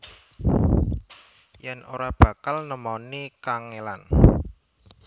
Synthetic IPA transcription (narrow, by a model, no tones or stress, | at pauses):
jano̰ɾab̥ä̤kalnəmawnikaŋelan